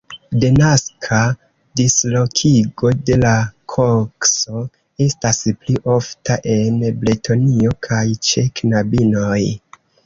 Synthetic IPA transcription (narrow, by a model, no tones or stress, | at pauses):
denaskʰa | dislo̞kʰiɡo̞de̞lakʰokso̞ | e̞staspliʔo̞ftaʔe̞nbletʰo̞nio̞kʰajt͡ʃeknabino̞j